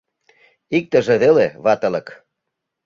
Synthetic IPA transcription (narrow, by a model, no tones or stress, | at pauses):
ik̚t̪ə̆ʒĕðeleβɑt̪ə̆lə̆k